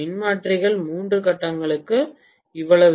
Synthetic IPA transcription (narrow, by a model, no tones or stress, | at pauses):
ɪnmaːʈrɪɣɐɭmuːndrɯkɐʈːɐŋɡɐɭɯkːɯ | ɪʋːɐɭɐʋ